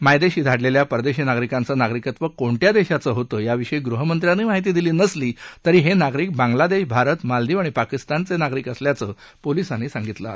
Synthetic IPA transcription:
majd̪eɕiːd̪ʱaɽleljapəɾd̪eɕinaɡɾikant͡sənaɡɾikət̪ʋəkoɳʈ̪jad̪eɕat͡səːɦot̪əjaʋiʂəiɡɾuɦəmənt̪ɾjanemaɦit̪̬iːd̪iliːnəsliːt̪əɾiːɦenaɡɾiːk̚bãŋɡlad̪eɕbʱaɾət̪mald̪iːʋaɽ̃ipakist̪ant͡senaɡɾiːkəsljat͡səː | polisanːeːsãŋɡit̪la̰

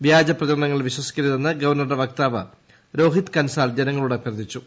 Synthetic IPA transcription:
ʋjaːd͡ʑɐprɐðɐɾɐɳɐŋːɐɭʋiɕwɐsi̥kʲːɐɾiðenːɨɡɐʋɐrnːɐrɖeʋɐk̚t̪aːʋɐ | ɾo̞ːɦit̪kɐnsaːld͡ʑenɐŋːɐɭuɽepjɐrɐd̪ʱit͡ɕːu

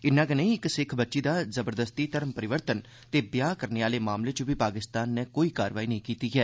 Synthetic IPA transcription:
ɪnːãːkənẽĩɪksɪkʰbətːʃiːd̪aːzəbəɾd̪əst̪iːt̪əɾəmpəɾɪʋəɾt̪ən | t̪eːbjaːkəɾneːaːleːmaːmleːt͡ʃʊbʱiːpaːkɪst̪aːnːɛːkoːiːkaːɾʋaːiːnəɦĩːkiːt̪iːɦɛː

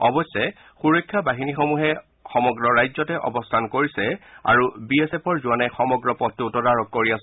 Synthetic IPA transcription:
ɔbɔsːɛ | xuɹɔjkʰːjabaɦinixomuɦɛ | xɔmɔɡɹɔɹajzɔtɛʔɔ̰bɔstʰankoɹisɛa̰ɹubiesepʰɔɹzuanaxɔmɔɡɹɔpɔtutɔdaɹɔkːoɹias

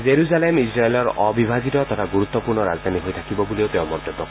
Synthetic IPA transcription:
zeɹuzalemisɹaelɔɹɔbibʱaɡitɔt̪ɔtʰaɡuɹut̪ːɔpuɹnɔɾazd̪ʱaniɦojtʰakibɔbuliot̪eʊ̃mɔt̪ebːɔk

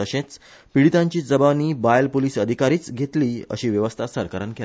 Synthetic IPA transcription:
əɕẽt͡s | piɽit̪ãɲt͡ɕiːd͡zəbaniːbajlpoliːsəd̪ʱikaɾiːt͡sɡʱet̪liːə̰ɕiːʋjəʋəst̪ʰasəɾkəɾənke

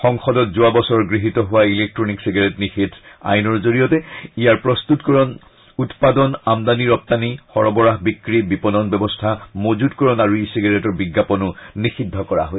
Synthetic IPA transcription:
xɔŋxɔdɔtzʊabɔsɔɹɡɹiɦitɔɦʊwailek̚tɹɔniksiɡaɹɛtnixitʰa̰jnɔɹzoɹijɔtɛijaɹpɹɔstutkɔɹɔn | utpadɔnamd̪aniɹɔp̚tanixɔɹɔbɔɹaɦbikɹibipɔnɔnbɛbɔstʰamozutkɔɹɔnaɹuisiɡaɹetɔɹbiɡːapɔnʊnixidʱːɔkɔɹa̰ɦoj

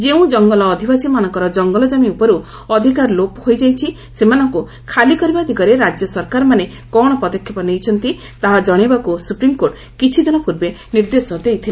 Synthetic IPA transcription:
d͡ʒeũd͡ʒɔŋɡɔlɔːd̪ʱibasimanɔŋkɔɾɔd͡ʒɔŋɡɔlɔd͡ʒamiupɔɾu | ɔd̪ʱikaɾlophojd͡ʒajt͡ʃʰi | semanɔŋku | kʰalikɔɾibad̪ʱikɔɾeɾad͡ʒjɔsɔɾkaɾɔmane | kɔɽ̃ɔpɔd̪ɔkʰːɔpɔnejt͡ʃʰɔnt̪i | t̪aɦad͡ʒɔɽ̃ibakusupɾimkoɾʈ | kit͡ʃʰid̪inɔpuɾbeniɾd̪esɔd̪ejt̪ʰile

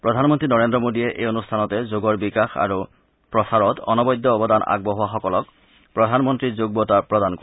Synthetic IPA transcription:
pɹɔdʱanmɔntɹinɔɹendɹɔmodijɛʔejonustʰanɔtɛzoɡɔɹbikaxa̰ɹu | pɹɔsaɹɔtɔ̰nɔbɔjd̪ːɔːbɔdanʔa̰ɡ̚bɔɦʊaxɔkɔlɔk̚ | pɹɔdʱanmɔntɹizoɡbɔtapɹɔdanko

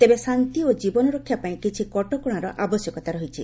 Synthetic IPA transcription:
t̪ebesant̪iod͡ʒibɔnɔɾokʰːjapaĩkit͡ʃʰikɔʈɔkuɽ̃aɾɔʔabɔsjɔkɔt̪aɾɔɦit͡ʃʰḭ

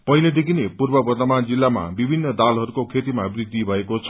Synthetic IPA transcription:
pʌiled̪ekʰinepurbʌbʌrt̪ʌmand͡zilːama̰bibʱinːʌd̪alɦʌɾukokʰet̪imabrid̪ʱːibʱʌekot͡sʰʌ

